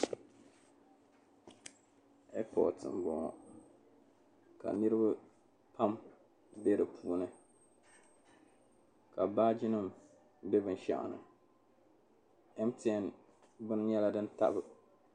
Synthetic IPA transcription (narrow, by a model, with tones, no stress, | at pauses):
ɛ˦pɔ̰˨tɨ̰˨m˨bɔ˨ŋɔ̰˨ | ka̰˨nɨ˦ɾɨ˦ba˦ | pa˦m | be˦ɾɨ˨pʰuː˦nɨ˦ | ka˨baː˦d͡ʒi˦nɨ˦m | bɛ˦bɨ˦n˦ʃa̰˨ʔnɨ̰˨ | ɛ˦mtːn | bɨ˦nɲɛ˦la˦dɨ˦n˦ta̰˦bɨ˨